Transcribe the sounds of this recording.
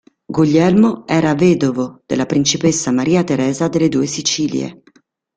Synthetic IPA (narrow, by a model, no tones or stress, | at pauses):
ɡuʎːɛlmoɛːɾavɛːd̪ovod̪̥elːapɾint͡ʃipesːamaɾiːat̪eɾɛːzad̪elːed̪uːesit͡ʃiːljḛ